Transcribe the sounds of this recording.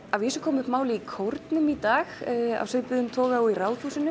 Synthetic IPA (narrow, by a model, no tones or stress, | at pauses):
avjɪːsʏkʰɔːmʏhpmaːwlɪikʰowɾt̪nʏmit̪aːɣa̰v̥sʏpʏðʏmt̪ʰɔːɣaɔirawðfusɪnʏ